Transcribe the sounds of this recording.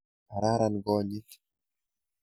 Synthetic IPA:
a˨ɾa˦ɾa˨nɡɔ˦ɲi˦k

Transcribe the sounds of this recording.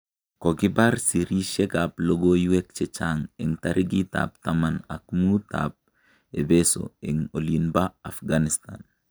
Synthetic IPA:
ko˨ɡɪ˦ba˦ɾsi˨ɾi˦ʃɛ˦ɡa˨plo˦ɡo˦ju˦wɛ˦k̚t͡ʃɛt͡ʃaŋɛ˨ŋtaɾʔiɡi˦ta̰p̚tama˨na̰˨kmu˦ta̰p̚ | e˨be˦so̰˨i˨ŋo˨linba˦a˨fɡanista̰n

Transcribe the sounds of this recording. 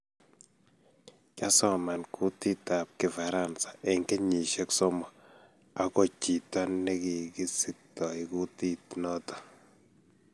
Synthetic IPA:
ka˦sɔ˨ma˨nkʰu˦ti˦ta˨p̚kɪ˨fa˨ɾa˦nsḁ˨ʔɛ˨ŋkɛ˦ɲi˨ʃɛ˦ksɔ˦mɔ˨ | a˨kɔ˨t͡ʃi˨ta˦nːɛ˦ki˨ki˦sɪ˦tɔ˨ɪ˨ku˦ti˦tnɔ˦tɔ̥˦

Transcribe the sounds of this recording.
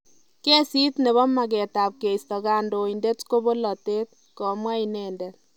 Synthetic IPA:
ke˦si˦tne˨βɔ˦ma˨k̬ɛ˨ta˨p̚ke˨istɔ˨ka˦ndo˨inde˦tko˦bo˦lɔ˨te˦t̚ | kɔ˨mwa˦inɛ˨nde˨t

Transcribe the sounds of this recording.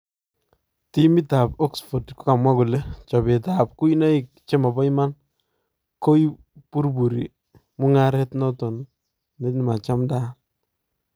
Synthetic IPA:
ti˦mi˦ta˨pɔ˦ksfo˨tku˦ka˨mwa˦ku˨le˦t͡ʃɔ˨be˨ta˨p̚ku˦i˦na˦i˨k̚t͡ʃe˦ma˨bɔ˦ima˦n | ko˦i˦ | pu˦ɾbu˨ɾi˨ | mʊ˦ŋa˦ɾɛ˦tnɔ˦tɔ˨n | ne˦ni˨ma˨t͡ʃa˦mda˦

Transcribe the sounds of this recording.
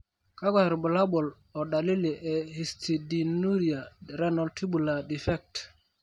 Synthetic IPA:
ka˦ɡa˨ɾbu˨la˦bɔ˨l | ɔ˨da˨li˦li˨ʔɛ˨hi˨stʰi˨di˨nu˦ɾia˨ɾɛ˦nɔ˨lti˦bu˨la˨di˨fɛ˦k̚t

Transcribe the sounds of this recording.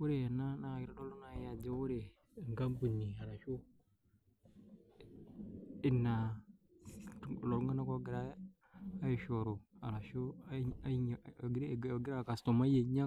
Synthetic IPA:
wu˦ɾe˨ja˨nːa˦na˨ɡi˨ɾa˨˦ɗo˦lo˦na˨˦ja˨d͡ʒe˦wu˦ɾe˨ | ŋɡa˦mbu˨nːi˨a˨ɾa˨ʃu˦ | i˦˨nːa˨ | lo˨ɾu˦ŋa˦na˦ko˦ɡi˨ɾa˦ | a˦ji˨ʃo˨ɾo˨a˨ɾa˨ʃo˦˨ | ɡɾɡi˦ɾa˦˨ka˨sto˨ma˦je˨ɲa˦

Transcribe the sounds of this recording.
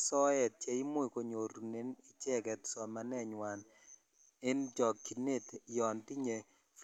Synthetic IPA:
sɔ˦ɛ˨t̚t͡ʃɛ˨i˦mo˦i˨ko˨ɲo˨ɾu˨ne˦nɪ˨t͡ʃɛ˦ɡɛ˨tsɔ˨ma˨nɛ˦˨ɲwa˨n | ɪ˦nd͡ʒɔ˨kkːi˨ne˦tjɔ˨nti˦ɲe˨ | f

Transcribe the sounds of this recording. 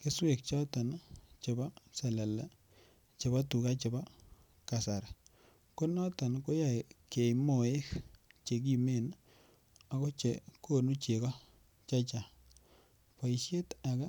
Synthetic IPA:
ke˦swe˨k̚t͡ʃɔ˦ta˨nt͡ʃe˨ba˦sɛ˨la˨lɛ˦ | t͡ʃɪ˨ba˦tu˨ka˦t͡ʃɪ˨ba˦ | ka˨sa˨ɾ | ko˦nɔ˦ta˨nko˦ja˨i˨ke˨imo˨e˦kt͡ʃe˨k̬i˨me˦˨n | a˨ko˦t͡ʃe˨ko˦nu˦t͡ʃe˨kɔ˦ | t͡ʃa˦t͡ʃa˨ | pa˨i˨ʃe˦ta˨ka˦

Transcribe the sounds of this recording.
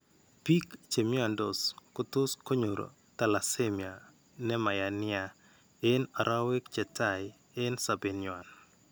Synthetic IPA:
pi˦kt͡ʃe˨mja˨ndo˨skʊ˦t̪ʊ˦sko˦ɲo˨ɾo̰˨ | ta˨la˨se˦mja˨ | nɛ˦ma˨ja˨nɪ˦a˨ | ɪ˦na˨ɾa˦we˦kt͡ʃɛ˨ta˦j | ɪ˦nsa˨be˨nja˨n

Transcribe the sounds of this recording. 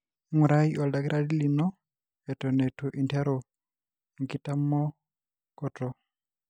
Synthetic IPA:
ŋu˨ɾa˦i˦ɔ˨lda˨ki˦ɾa˨di˦li˨nɔ˦ | ɛ˨tɔ˨ne˨tʰu˨ʔi˨ntʰɛ˦ɾɔ˨ | ŋ̩˨ki˦ta˦mɔ˦ | kɔ˨tɔ˨

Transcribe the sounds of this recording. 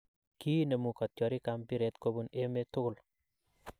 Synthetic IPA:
ki˦ne˨mu˨kɔ˨t̚jɔ˨ɾi˦kampi˦ɾe˨tko˦bu˦ne˦me˦tʊ˦kʊ˨l

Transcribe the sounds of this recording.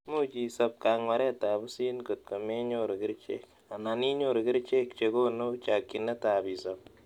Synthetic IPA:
mu˦t͡ʃi˨sɐ˦p̚kaː˨ŋwa˨˦ɾɛ˦ta˨bʊ˦siː˦nko˨t̚ko˨me˦ɲoɾkɪ˦ɾt͡ʃḛ˦k̚ | a˨na˨ni˦ɲo˦ɾkɪ˦ɾt͡ʃe˦k̚t͡ʃe˨ko˦no˦t͡ʃakːi˨nɛ˦tabi˨sɐp̚

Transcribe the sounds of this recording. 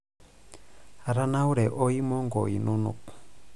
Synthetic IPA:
a˨ɾa˦na˦wɾe˨ʔo˦i˦mo˦ŋɡo̰˨ḭ˨nu˦nṵ˨k

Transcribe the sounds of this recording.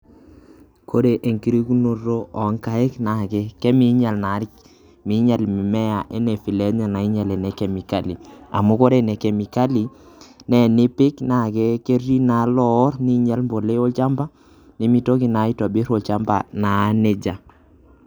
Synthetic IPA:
kʰo˦ɾe˨ʔe˨ŋki˦ɾi˦ku˦no˨ro˦ʔɔ˨˦ŋka˦ɛ˦kna˨kɛ˦kɛ˦mi˦ɲa˨lna˨˦ɾɪ˦k | mi˨˦ɲa˨lmi˨mɛ˦ja˨ʔɛ˦nɛ˨fi˨lɛ˦ɲa˨na˨ɪ˦ɲa˨lɛ˨nɛ˨kɛ˨mi˨ka˦˨li˨a̰˨mu˦ko˦ɾɛ˨nɛ˨kɛ˨mi˨ka˦li˨ | nɛ˨nɪ˦pɪ˦kna˨kɛ˦ke˦ɾi˦na˨˦lɔ˦ɾni˦ɲa˦lmbo˨le˦o˦lt͡ʃa˦mba˦ | nɪ˨mi˦to˦kɪ˨na˨˦ɪ˦tɔ˨bɪ˦ɾo˨lt͡ʃa˦mba̰˨na˨˦ne˨d͡ʒa˨

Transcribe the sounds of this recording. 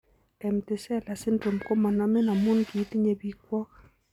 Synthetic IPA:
ɛ˨m̩˨tɪ˨sɛ˦˨la˨sɪ˦ndo˨mko˦ma˨na˦mɛ˦na˨mu˦nɡi˨˦ti˦ɲe˨bi˨kwɔ˦ka˨

